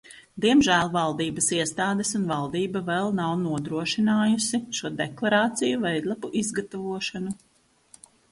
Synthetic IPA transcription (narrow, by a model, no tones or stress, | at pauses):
d̪iɛmʒæːlˠvalˠd̪iːbɐsiɛst̪aːd̪ɛsunvalˠd̪iːbavɛlˠnawnuɔd̪ɾuɔʃinaːjusiʃuɔd̪ɛklˠaɾaːt̪sijuvɛjd̪lˠapuʔizɡat̪avuɔʃanu